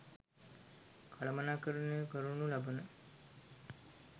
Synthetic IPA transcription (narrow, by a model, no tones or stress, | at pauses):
kʰalɐmɐnaːkəɾunekəɾunulabənə